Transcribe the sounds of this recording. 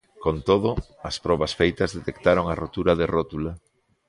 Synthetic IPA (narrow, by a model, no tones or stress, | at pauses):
kont̪oðʊ | ɐspɾɔβɐsfejt̪ɐzðet̪ekt̪aɾoŋarot̪uɾɐðerot̪ulɐ